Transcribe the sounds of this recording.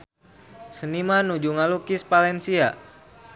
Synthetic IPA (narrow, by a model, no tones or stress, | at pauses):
sənimanud͡ʒuŋalukispalɛnsia